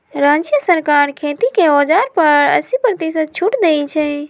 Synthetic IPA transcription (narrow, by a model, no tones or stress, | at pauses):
ɾãd͡ʒjəsəɾkaɾkʰet̪ikeɔd͡ʒaɾpəɾə̰sipɾət̪isət̪̚t͡ʃʰuʈd̪ejt͡ʃʰɛ